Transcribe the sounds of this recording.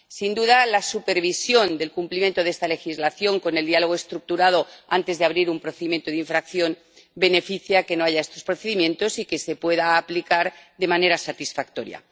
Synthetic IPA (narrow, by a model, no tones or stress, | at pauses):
sind̪uðalasupe̞ɾβisjo̞nd̪e̞lkumplimje̞nt̪o̞ðest̪ale̞xizlaθjo̞ŋko̞neld̪ialo̞ɣ̞oe̞st̪ɾuk̚t̪uɾað̞o̞ant̪e̞zðeaβɾiɾumpɾoθe̞ðimjent̪oðeiɱfɾakθjo̞n | be̞ne̞fiθjake̞no̞aʝae̞st̪o̞spɾo̞θe̞ðimjẽ̞nt̪o̞sike̞se̞pwe̞ðaːplikaɾðe̞mane̞ɾasat̪isfak̚t̪o̞ɾja̰